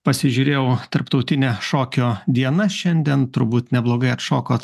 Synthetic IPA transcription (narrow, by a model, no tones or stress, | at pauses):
pɐsʲɪʒʲuːɾʲeːjɛʊt̪ɐɾpt̪ɒʊt̪ʲɪnʲɛʃoːkʲoːd̪ʲiɛnɐʃʲɛnʲd̪ʲiɛnt̪ʊɾbuːt̪nʲɛblˠoːɡɐɪɐt̪ʃoːkoːt̪